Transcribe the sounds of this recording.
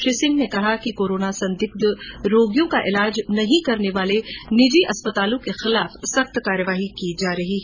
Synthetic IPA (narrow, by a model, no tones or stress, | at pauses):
ʃesɪ̃ŋɡnekɐɦakikoːɾoːnasɐ̃nd̪ɪk̚d̪ɾoːɡjõkaʔɪlaːd͡ʒnɐɦĩkɐɾneʋaːlenɪd͡ʒiʔɐspɐt̪aːlõkexɪlaːfsɐxt̪kaːɾəʋaːɦikid͡ʒaːɾɐɦiɦ